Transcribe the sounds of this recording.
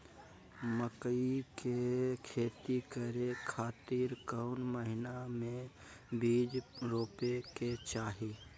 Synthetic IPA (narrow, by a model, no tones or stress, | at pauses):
məkəikekʰeːt̪ikəɾekʰaːt̪iːɾkəʊnməɦɪnamẽ | bʱiːd͡ʒɾoːpeket͡ʃaːɦi